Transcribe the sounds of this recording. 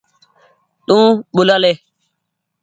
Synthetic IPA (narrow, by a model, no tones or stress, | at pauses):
tũːɓʊlale